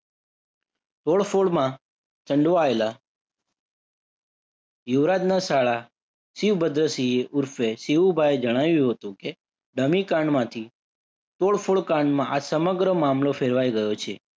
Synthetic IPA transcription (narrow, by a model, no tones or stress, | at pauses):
t̪oɭfoɭmã | t̪ʰəɳɖʋaela | juʋɾad̪nasaɭa | siʋbəd̪ɾəsieʔʊɾfesiʋubʱaed͡ʒəɽ̃aʋjũɦət̪ũke | ɖəmikãɳmãt̪ʰi | t̪oɭfoɭkaɳɖmãʔasəməɡɾəmamlofʰeɾʋaiɡəjot͡ʃʰḛ